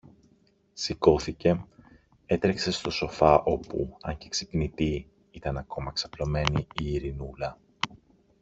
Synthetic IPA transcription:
siko̞θice̞ | e̞t̪ɾekse̞st̪o̞so̞fɐʔo̞pṵɐɲce̞ksi̥pnit̪i | it̪ɐnɐko̞mɐksɐplo̞me̞niiːɾinulɐ

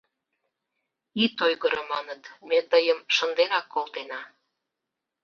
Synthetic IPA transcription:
it̪ojɣəɾə̆mɑnət̪met̪əjəmʃənd̪enɑkːolt̪enɑ

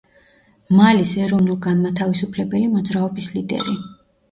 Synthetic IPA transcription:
malisɛɾɔvnulˠɡanmat̪ʰavisupʰlɛbɛlimɔd̪zɾaɔbislid̪ɛ̰ɾi

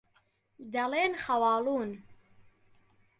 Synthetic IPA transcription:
d̪ɐleːnxɐwɑːluːn

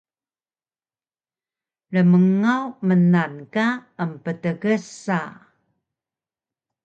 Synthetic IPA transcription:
ɾəməŋawmənankaəmpətəɣəsa

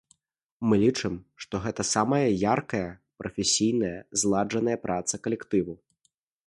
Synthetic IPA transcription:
mɨlʲit͡ʂɨmʂt̪ɔɣɛt̪ɐsamɐjɐjarkɐjɐpɾʔɐfʲɛsʲijnɐjɐzlˠad͡ʐɐnɐjɐpɾʔat̪sɐkɐlʲɛkt̪ɨvu

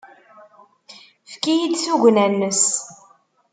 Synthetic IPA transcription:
fkijid̪suʝʷnænːəs

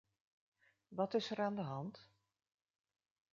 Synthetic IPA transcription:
ʋɑtɪsɛɾaːndəɦɑnt

